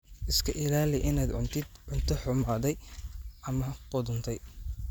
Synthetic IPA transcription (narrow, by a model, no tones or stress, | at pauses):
ʔɪskʰɐʔɪlaːlɪʔɪnaːd̪ʕʊnt̪ʰɪd̪ʕʊnt̪ʰɔħʊmʕɐd̪ɛjʔɐmɐqʊðʊnt̪ʰɛj